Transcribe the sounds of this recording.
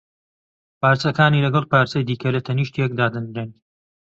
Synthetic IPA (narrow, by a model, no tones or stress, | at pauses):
paːɾt͡sɐkaːniːlɐɡɐlˠpaːɾt͡sɐjd̪iːkʰɐlɐt̪ʰɐniːʃt̪jek̚d̪aːd̪ɨnd̪ɾɨn